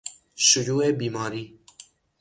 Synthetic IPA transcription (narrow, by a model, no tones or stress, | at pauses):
ʃʊjuːeːbiːmɑːɾiː